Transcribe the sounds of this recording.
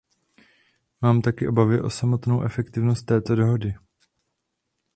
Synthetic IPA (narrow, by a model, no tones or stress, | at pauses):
maːmt̪akɪʔobavɪʔo̞samo̞t̪no̞wʔɛfɛkt̪ɪvnost̪ːɛːt̪o̞do̞ɦo̞dɪ